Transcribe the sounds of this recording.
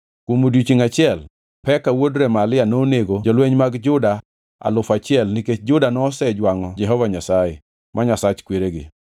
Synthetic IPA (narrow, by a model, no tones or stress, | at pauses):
kwomodwit͡ʃiŋat͡ʃɪɛl | pɛkawodɾɛmalɪanoneɡod͡ʒɔlweɲmaɡd͡ʒʊda | a̰lʊfat͡ʃɪɛlniket͡ʃd͡ʒʊdanɔsɛd͡ʒwaŋɔd͡ʒɛɦɔvaɲasajɛ̰ | mʔaɲasat͡ʃkweɾeɡɪ̰